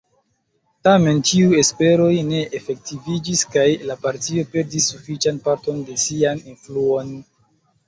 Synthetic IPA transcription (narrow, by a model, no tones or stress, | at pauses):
tame̞nt͡ʃiue̞spe̞ɾo̞jne̞ʔefe̞k̚tivid͡ʒiskajlapaɾtio̞pe̞ɾdisːufit͡ʃanpaɾto̞nde̞sianinfluo̞n